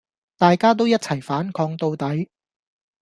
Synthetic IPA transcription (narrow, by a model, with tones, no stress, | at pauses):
t̪aː˨jkaː˥t̪̬o˥wjɐ˥t̚t͡sʰɐ˨˩jfaː˨˥nkʰɔː˧ŋt̪o˧wt̪ɐ˨˥j